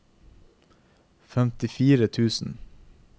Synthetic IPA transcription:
fɛmt̪ɪfiːɾət̪ʰʉːsn̩

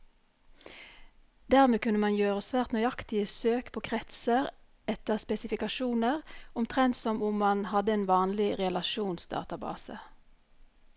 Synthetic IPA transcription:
d̪æːʁmeːkʉnəmɑnjøːʁəsʋæːʁt̪nœʏɑkt̪ɪəsøːkpʰoːkʰʁɛt̪səʁ | ɛt̪əʁspɛsɪfɪkɑʃuːnəʁʊmt̪ʰʁɛnt̪sɔmʊmmɑnhɑd̪əɛːnʋɑːnlɪʁɛlɑʃuːnsd̪ɑ̰ːt̪ɑbɑ̰ːsə̰

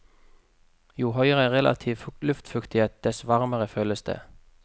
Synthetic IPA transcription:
juːhœʏʁəʁɛlʔɑ̰t̪ʰiːʋlʉft̪fʉkt̪ɪeːt̪̚d̪̥ɛsʋɑʁməʁəføːləsd̪̥ə̰ː

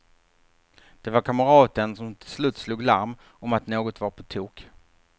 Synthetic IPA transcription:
d̪̥ɛvaɾkʰaməɾɑːt̪ənsɔmt̪ʰɪlslʉ̟ːt̪sluːɡlaɾm | ɔmat̪noːɡɔt̪vaɾpʰɔt̪ʰuːk

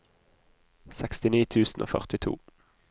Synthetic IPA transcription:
sɛkst̪ɪniːt̪ʰʉːsn̩o̰ːfœ̰ʁt̪ɪt̪ʰṵː

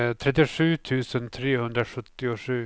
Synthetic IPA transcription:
t̪ʰɾɛt̪ːɪʂʉ̟ːt̪ʰʉ̟ːsənt̪ʰɾeːhɵnd̪ɾaɧɵt̪ːɪʊʂʉ̟ː

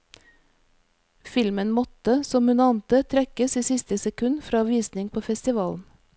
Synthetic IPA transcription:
fɪlmənmɔt̪əsɔmhʉnɑːnt̪ət̪ʰɾɛkəsiːsɪst̪əsɛkʰʉnfɾɑːʋiːsnɪŋpʰoːfɛst̪ɪʋɑːln̩

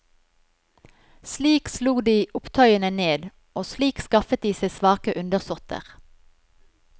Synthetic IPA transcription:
sliːksluːd̪iːʔʊpt̪ʰœʏənəneːd̪ | ʔoːsliːkskɑfət̪̚d̪iːseɪsʋɑːkəʔʉnd̪əʁsʊʁt̪ʰə̰ʁ

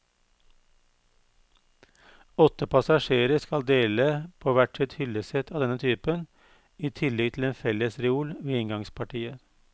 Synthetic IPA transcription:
ɔt̪əpɑsɑʃeːɾəskɑld̪eːləpʰoːʋæʈsɛt̪hʏləsɛt̪ɑːd̪ɛnət̪ʰyːpən | iːt̪ʰɪlɛɡ̚t̪ʰɪl̩eːnfɛləsɾɛuːlʋeːɪŋɡɑŋspʰɑʈʰiːə

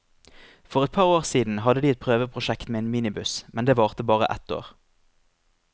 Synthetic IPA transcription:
fɔʁɛt̪̚pʰɑːʁoːʁsiːd̪n̩ɦɑd̪əd̪iːɛt̪̚pʰʁøːʋəpʰʁʊʃɛkt̪meːeːnmiːnɪbʉsmɛnd̪eːʋɑːʁt̪əbɑːʁə̰ʔɛ̰t̪o̰ːʁ

